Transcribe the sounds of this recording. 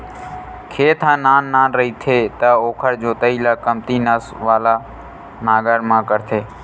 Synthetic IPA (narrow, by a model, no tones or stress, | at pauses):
kʰeːt̪ʰãːnaːnːaːnɾəɦiːt̪ʰeːt̪əoːkʰəɾd͡ʒoːt̪əiːlaːkəmt̪iːnəsʋaːlaː | naːɡəɾmãːkəɾt̪ʰeː